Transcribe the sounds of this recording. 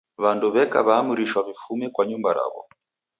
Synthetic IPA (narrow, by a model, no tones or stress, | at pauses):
βanduβɛka̰βaːmuɾiʃwaβifumɛkwaɲumbaɾa̰βɔ̰